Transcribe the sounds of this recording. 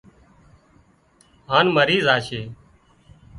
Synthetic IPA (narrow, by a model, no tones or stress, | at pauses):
ɦaːnməɾiːzaːʃʰeː